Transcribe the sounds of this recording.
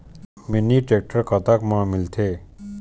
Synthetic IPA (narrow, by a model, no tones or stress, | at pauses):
miniʈek̚ʈəɾkət̪akmãmilt̪ʰeː